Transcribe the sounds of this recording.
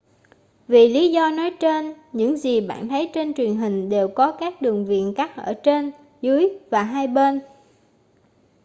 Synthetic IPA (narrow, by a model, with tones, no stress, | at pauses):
vi˨˩li˨˦zɔ˧nɔ˨˦jt͡ɕe˧nɲɨ̰˧˥ŋzi˨˩ɓa̰ː˧˨nt̪ʰə˨˦jt͡ɕe˧nt͡ɕwi˨˩ənɦï˨˩ŋ̟ɗe˨˩wkɔ˨˦kaː˦˥k̚ɗɨ˨˩əŋvḭ˧˨ənka˦˥t̚ʔəː˧˩t͡ɕe˧n | zɨ˨˦jvaː˨˩ɦaː˧jɓe˧n